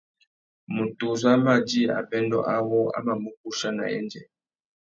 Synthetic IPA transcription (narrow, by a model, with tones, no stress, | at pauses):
mu˨tu˨za˦ma˨d͡ʒi˦a̰˨bɛ˦ndɔ̰˦ʔa˦wɔ˦a̰˦ma˨mu˦k̚u˦ʃa˦na̰˨ɛ̰˦nd͡ʒɛ̰˨